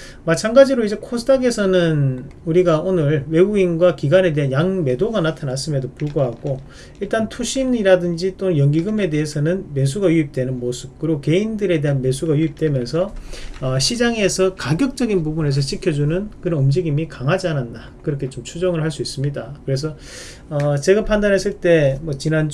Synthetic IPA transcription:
mat͡ɕʰaŋɡad͡ʑiɾoid͡ʑe̞kʰosʰɯdʰaɡe̞sʰʌnɯnuɾiɡaonɯɭwe̞ɡuinɡwakiɡwane̞de̞ɦanjaŋme̞doɡanatʰanas͈ɯme̞dopuɭɡoɦaɡo | iɭt͈antʰuɕʰiniɾadɯnd͡ʑit͈ojʌŋɡiɡɯme̞de̞ɦesʰʌnɯnme̞s̬ʰuɡajuip̚t͈we̞nɯnmosʰɯp̚k͈ɯɾiɡoke̞indɯɾe̞de̞ɦanme̞sʰuɡajuip̚t͈we̞mjʌnsʰʌʌɕʰid͡ʑaŋe̞sʰʌkaɡjʌk̚t͡ɕ͈ʌɡinpubune̞s̬ʰʌɕʰikʰjʌd͡ʑunɯnkɯɾʌnɯmd͡ʑiɡimikaŋɦad͡ʑiananda | kɯɾʌkʰe̞t͡ɕomt͡ɕʰud͡ʑʌŋɯɭhaɭs͈uis͈ɯmɲidakɯɾe̞s̬ʰʌ | ʌt͡ɕe̞ɡapʰandanɦe̞s͈ɯɭt͈e̞mwʌt͡ɕinan

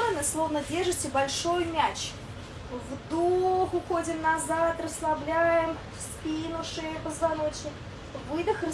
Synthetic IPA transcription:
ənɨslˠovnədʲeʐɨtʲɪbɐlʲʂojmʲæt͡ɕ | vd̪oxʊxodʲɪmnɐzat̪rəslˠɐblʲæjɪm | spʲinʊʂɨjəpəzvanot͡ɕɪ | vɨd̪ɨxrə

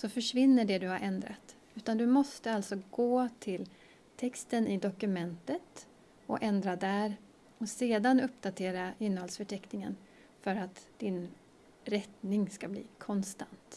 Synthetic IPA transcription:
sɔfœʂvɪnːəɖɛd̪ɵhaɾʔɛnd̪ɾa̰t̪ | ʉ̟ːt̪and̪ɵmɔst̪əalt̪sɔɡoːt̪ʰɪl | t̪ʰɛkst̪ənɪd̪ɔkɵmɛnt̪ət̪ | ɔ̰ʔɛnd̪ɾad̪æɾ | ɔseːd̪anɵpːd̪at̪ʰeːɾaɪnːəhɔlsfœʈʰɛknɪŋə̰n | fœɾat̪d̪̥ɪn | ɾɛt̪nɪŋskablḭːkʰɔnst̪ant̪

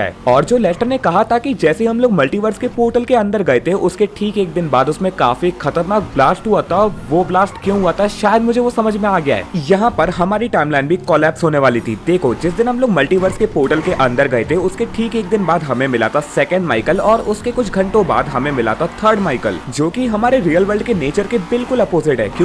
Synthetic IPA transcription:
ɛ̰ɔːɾd͡ʒoːlɛːfʈəɾnekɐɦat̪ʰakid͡ʒɛːseiɦɐmloːɡmɐlʈiːʋəɾskepoːɾʈəlkeɐ̃nd̪əɾɡɐet̪eʔʊskeʈʰiːkeːk̚d̪ɪnbaːd̪ʊsmẽka̰ːfixɐt̪əɾnaːk̚blaːsʈɦuat̪aʋoblaːsʈkjõɦuaːt̪aɦɛʃaːjəd̪mʊd͡ʒʱeʋosɐməd͡ʒʱmẽaːɡɐja̰ɦɛ̰ːjɐɦãpɐɾɦɐmaːɾiʈaːɪmlaːɪnɖbʱikɔːlɛːpsɦoːneʋaːlit̪ʰḭd̪eːkʰod͡ʒɪsd̪ɪnɦɐmloːɡmɐlʈiːʋəɾskepoːɾʈəlkeʔɐ̃nd̪əɾɡɐet̪eʊskeʈʰiːkeːk̚d̪ɪnbaːd̪ɦɐmẽmɪla̰ːt̪asɛːkə̃ɳɖma̰ːɪkəlɔːɾʊskekʊt͡ʃʰɡʱɐ̃ɳʈõba̰ːd̪ɦɐmẽmɪla̰ːt̪at̪ʰəːɾɖmaːɪkə̰ld͡ʒoːkiɦɐmaːɾeɾiːjəlʋəɾɖkeneːt͡ʃəɾkebɪlkʊlɐpoːzɪʈɦɛ̰ːkjõː

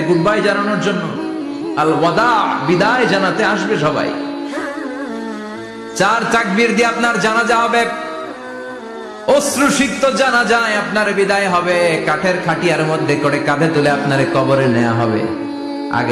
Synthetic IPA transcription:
ɡuɖbajd͡ʑananoɾd͡ʑonːo | alwad̪aʕbid̪aed͡ʑanat̪eaʃbeʃɔba̰j | t͡ɕaɾt͡ʃak̚biɾd̪ieapnaɾd͡ʑanad͡ʑaɦɔbe | osɾuʃikt̪od͡ʑanad͡ʑaeapnaɾbid̪aeɦɔbekaʈʰeɾkʰaʈiaɾmod̪ʱːekoɽekad̪ʱet̪uleapnaɾekɔboɾenɛja̰ɦɔbḛ | a̰ɡ

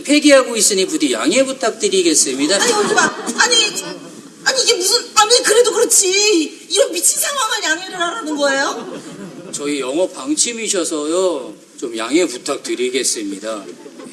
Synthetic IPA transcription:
pʰe̞ɡiɦaɡois͈ɯɲipudijaŋeputʰak̚t͈ɯɾiɡe̞s͈ɯmɲidaeod͡ʑimaaɲi | aɲiːɡemusʰɯnamikɯɾe̞dokɯɾʌt͡ɕʰi | iɾʌnpit͡ɕʰinsʰeŋamanjaŋeɾɯɭhaɾanɯnɡʌe̞jo | t͡ɕʌijʌŋʌpaŋt͡ɕʰimiɕ̬ʰʌsʰʌjo | t͡ɕomjaŋe̞putʰak̚tɯɾiɡe̞s͈ɯmɲida

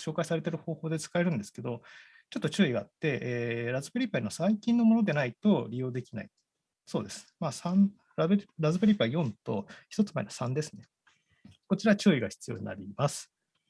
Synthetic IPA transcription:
ɕo̞ːkaisaɾe̞t̪e̞ɾɯ̟ho̞ːho̞ːd̪e̞t͡sɨ̥kae̞ɾɯ̟̃nd̪e̞sɨ̥ke̞d̪o̞ | t͡ɕo̞t̪ːo̞t͡ɕɨːiɡaːt̪ːe̞ʔːɾazɨpɯɾʲipːaɲʲiasaikʲĩnːo̞mo̞nod̪e̞nait̪o̞ɾʲijo̞ːd̪e̞kʲina̰i | so̞ːd̪e̞sɨ̥maːsãɴ | ɾaɾazɨbɯ̟ɾʲipːajõ̞nt̪o̞çʲi̥t̪o̞t͡sɨmaeniḁsãnd̪e̞sɨ̥ne̞ | ko̞t͡ɕiɾat͡ɕɨːiɡaçi̥t͡sɨ̥jo̞̰ːɲ̟ḭna̰ɾʲimasɨ̥

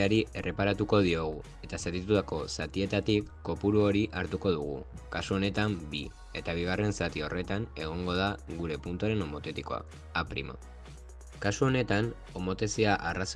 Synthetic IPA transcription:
aɾie̞re̞paɾat̪uko̞ð̞io̞ɣ̞u | e̞t̪aseɾit̪ut̪ako̞sat̪ie̞t̪at̪ikːo̞puɾuo̞ɾiʔaɾt̪uko̞ð̞uɣ̞ṵkasuo̞ne̞t̪ambi | e̞t̪aβ̞iɣ̞are̞nsat̪io̞re̞t̪ane̞ɣ̞o̞ŋɡo̞ð̞aɣuɾe̞punt̪uaɾe̞no̞mo̞t̪e̞t̪iko̞̰a̰ː | pɾḭma̰ | kasuo̞ne̞t̪an | o̞mo̞t̪e̞siaʔaras

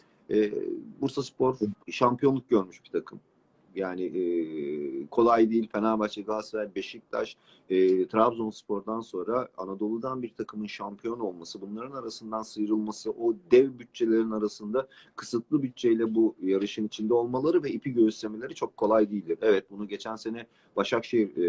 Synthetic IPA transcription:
ɛ̰ːbuɾsaspo̞ɾʃampʰijo̞nlˠuk̚ɟø̞ɾmyʃb̥i̥t̪ʰakʰɯm | jaːnɪ | kʰo̞lˠajd̪ijilʲfenalbat͡ʃ̪ˠaɡ̪ˠaseɛbeʃic̚t̪ʰa̰ʃ | ɛːt̪ʰɾabzo̞nspʰo̞ɾd̪anso̞nɾaanad̪o̞lˠud̪anbiɾt̪ʰakʰɯmɯnʃampʰijo̞no̞lˠmasɯbunlˠaɾɯnaɾasɯnd̪ansɯjɾɯlˠmasɯʔod̪ɛvbyt͡ʃ̚t͡ʃʰe̞lʲe̞ɾinaɾasɯnd̪a | kʰɯ̥sɯt̪lˠɯbyt͡ʃ̚t͡ʃʰejlʲɛbujaɾɯʃɯnit͡ʃʰind̪ɛo̞lˠmalˠaɾɯvɛipʰiɟøyst̪ʰemeeɾit͡ʃʰo̞kʰːo̞lˠajd̪ijːlʲd̪iɾɛvɛt̪̚bunuɟe̞t͡ʃʰænse̞nɛ | baʃakʃejiɾ

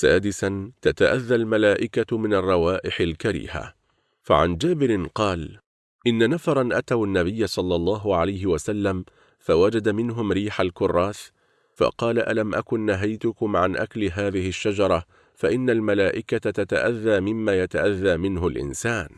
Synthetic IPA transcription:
saːd̪ɪsant̪at̪aʔaðːalmalaːʔɪkamɪnɑrˤːɑwaːʔɪħɪlkaɾḭːha̰ | fa̰ʕa̰nd͡ʒaːbɪɾɪqɑːl | ʔɪnːanafɑɾˤɑnʔat̪awanːaβɪjːasˤɑlːɑlˤːɑːɦʊʕalajɦɪwasalːam | fawad͡ʒad̪amɪnɦʊmɾiːħalkʊrˤːɑːθ | fɑ̰qɑːlaʔa̰lamʔakʊnːaɦajt̪ʊkʊmʕanʔaklɦaːðɪhɪʃːad͡ʒɑɾˤɑ | faʔɪnːalmalaːʔɪkat̪at̪at̪a̰ʔaðːaːmɪmːaːjat̪aʔaðːaːmɪnɦʊlʔɪ̰nsaːn

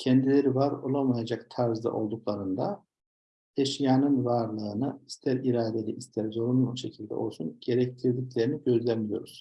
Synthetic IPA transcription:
cʰɛnd̪ilʲeɾivaɾo̞lˠamajad͡ʒakt̪ʰaɾzd̪a̰ʔo̞lˠd̪uklˠaɾɯnd̪a | eʃjaːnɯnvaɾlˠɯːnɯist̪ʰæɾiɾaːd̪e̞lʲiʔːst̪ʰæɾzo̞ɾunuuʃecʰilʲd̪ɛ̰ʔo̞lˠsunɟ̥eɾɛc̚t̪ʰiɾd̪iclʲe̞ɾiniɟø̞zlʲænmijo̞̰ɾuz̥

